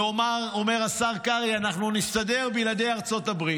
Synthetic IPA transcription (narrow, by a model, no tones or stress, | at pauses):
oaome̞ʁasaʁkaʁianaχnuniʃt̪ad̪e̞ʁbilad̪ejaʁt͡so̞t̪abʁi